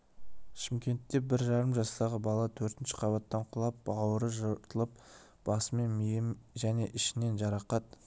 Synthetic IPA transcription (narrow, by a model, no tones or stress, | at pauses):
ʃɪmkʲe̞nt̪ːe̞bɪɾʒɑɾəmʒɑst̪ɑʁəbɑlˠɑt̪ʰɵɾt̪ɪnʃɪ̥qʰɑβɑt̪ːɑɴqʰʊlˠɑp̚ɑwəɾəʒəɾt̪əlˠəp̚ | b̥ɑsəme̞nmijɪmʒæne̞ʔɪʃɪne̞nʒɑɾɑqɑt̪